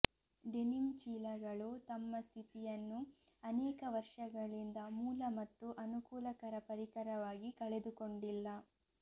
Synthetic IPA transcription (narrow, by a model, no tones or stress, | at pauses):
ɖeniŋt͡ʃiːlɐɡɐɭut̪ɐmːɐst̪ʰit̪ijɐnːu | ɐnɛːkɐʋɐɾʂɐɡɐɭind̪ɐmuːlɐmɐt̪ːuʔɐnukuːlɐkɐɾɐpɐɾikɐɾɐʋaːɡikɐɭed̪uko̞ɳɖilːɐ